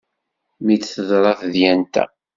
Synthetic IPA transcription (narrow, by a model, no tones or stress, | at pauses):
mit͡sːθəðˤɾˤɑθðjænt̪æ̰